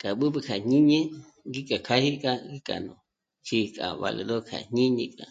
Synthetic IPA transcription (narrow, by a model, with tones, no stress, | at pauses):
kʼa˨ɓɨ˦bɨ˧kʰa˨ɲĩ˦ɲẽ˦ | ɡi˦kʼa˨kʰa˦hi˦kʼa˧ɡi˦kʼa̰˨nõ˨ | t͡ʃi˧kʼa̰˨βa̰˧le˨ðo˦kʰa̰˨ɲĩ˦ɲḛ̃˧kʼa˨